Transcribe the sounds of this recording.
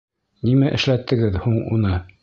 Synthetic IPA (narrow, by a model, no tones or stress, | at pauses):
nimæʔɘ̆ʃlæt̪ːɘ̆ɡɘðhuɴṵnɤ